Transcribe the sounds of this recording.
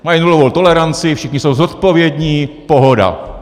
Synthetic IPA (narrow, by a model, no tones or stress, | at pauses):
majinulovowt̪olɛɾant͡sɪfʃɪxɲisowzot̪povjɛd̪ɲiːpoɦoda̰